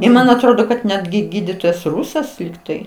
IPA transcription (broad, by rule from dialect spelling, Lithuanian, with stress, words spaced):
ɪ ˈmɐn ɐtˈroːdoː kɐt ˈnʲæːdʲɡʲɪ ˈɡʲiːdʲiːtoːjɛs ˈrʊsɐs lʲɪkˈtɐɪ